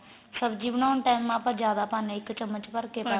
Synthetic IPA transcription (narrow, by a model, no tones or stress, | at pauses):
səbd͡ʒiːʋnaːʊnʈaːjmːãːpãːd͡ʒjaːd̪aːpãːnẽːɪkːt͡ʃəmːət͡ʃpəɾkepə